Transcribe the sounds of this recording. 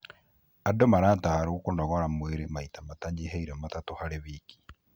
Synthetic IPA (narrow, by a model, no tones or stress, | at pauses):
adomaɾaːtahaɾokonɔɣɔɾamweɾemaitamataɲeɦaiɾɛmatatohaɾeβiki̥